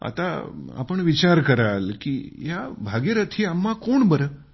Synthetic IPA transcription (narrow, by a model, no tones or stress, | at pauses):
a̰t̪aa̰pəɳʋit͡ʃaɾkəɾalkijabʱaɡeɾət̪ʰiamːãkoɳbəɾə